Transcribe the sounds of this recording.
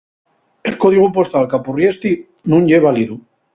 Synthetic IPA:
elkoð̞iɣ̞upo̞st̪alkapurjest̪i | nũɲʎeβaliðu

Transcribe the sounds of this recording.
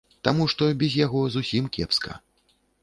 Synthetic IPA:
t̪amuʂt̪ɔbʲɛzʲjaɣɔzusʲimkʲɛ̰pskɐ̰

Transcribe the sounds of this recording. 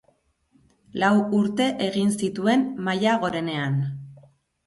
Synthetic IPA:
lawuɾt̪e̞ʔeɣinsit̪ue̞mmajaɣ̞o̞ɾe̞ne̞an

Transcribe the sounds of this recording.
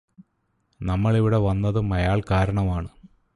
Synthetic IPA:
nɐmːɐɭiʋiɽe̞ʋɐnːɐðɨmɐjaːɭkaːɾɐɳɐmaːɳɨ

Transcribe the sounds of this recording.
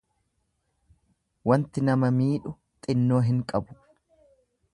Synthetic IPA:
wɐnt̪ɪnɐmɐmiːᶑʊ | t̪ʼɪnːo̞ːɦɪŋkʼɐbʊ̥

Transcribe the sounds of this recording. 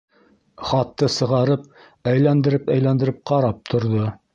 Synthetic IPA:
χɑt̪ːɤsɤ̆ʁɑɾɤp̚ | æjlænd̪ɘ̆ɾɘpæjlænd̪ɘ̆ɾɘp̚qɑɾɑp̚t̪ʰŏɾðo

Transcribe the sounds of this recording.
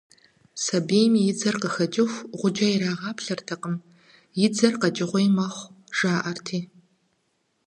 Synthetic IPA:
sɐbeːjmijɪd͡zɐrqəxɐd͡ʒʼɪxʷʁʷʊd͡ʒɐjiɾaːʁɑːpʰɬɐrtʰɐqəm | jɪd͡zɐrqɐd͡ʒʼɪʁʷɔjmɐχʷ | ʒ̥aːʔɐrtʰiː

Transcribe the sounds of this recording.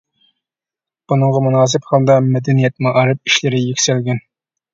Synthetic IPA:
b̥unɨŋʁɑmunɑːs̬ɪpχɑlˠd̪ɑmɛd̪ɛnijɛt̪̚mɑʔɑɾɨp̚iʃlɪɾɪjekʲsɛlɡʲɛn

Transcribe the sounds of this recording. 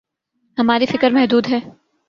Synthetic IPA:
hɐmaːɾifɪkəɾmɛɦd̪uːd̪ɦɛː

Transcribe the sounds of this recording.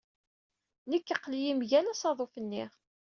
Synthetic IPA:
nəkːəqːlijimʝænæsɑðˤofənːiʁ

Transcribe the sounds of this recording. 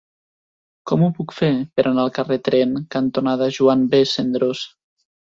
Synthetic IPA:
kɔmupukfepeɾʔanalˠkaret̪ɾɛnkant̪onaðaʒuanbesend̪ɾoz

